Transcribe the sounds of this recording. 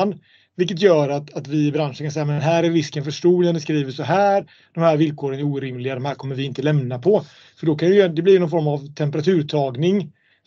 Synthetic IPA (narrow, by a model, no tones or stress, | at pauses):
n | vɪlk̬ːət̪̬jœːɾat̪at̪vɪɪbɾanʂənkansɛjːamɛɦæːɾæɾvɪskənfœʂʈuːlənd̪ɛskɾiːvəʂɔɦæːɾ | d̥̪ɔmhæːɾvɪlkʰoːɾənæɾuːɾɪmlɪɡad̪ɔmhæːɾkʰɔmːəɾvɪɪnt̪əlɛmnapʰɔ | fœɖɔkʰanɛɪjd̪ɛblɪɾjnɔnfɔɾmavt̪ʰɛmpəɾat̪ʰʉ̟ːɾt̪ʰɑːɡnɪŋ